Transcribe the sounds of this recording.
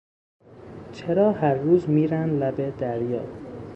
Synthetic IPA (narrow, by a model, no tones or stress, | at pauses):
t͡ʃʰeɾɒːhæɾːuːzmiːɾænlæbed̪æɾjɒ̰ː